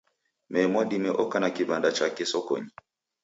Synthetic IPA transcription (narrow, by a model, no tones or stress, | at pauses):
mɛmɔɗimɛʔɔkanakivandat͡ʃakɛsɔkɔ̰ɲi